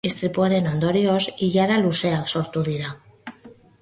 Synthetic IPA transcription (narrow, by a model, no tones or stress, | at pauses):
ist̪ɾipwaɾenand̪oɾjosiʝaɾaluseaksoɾt̪uðiɾa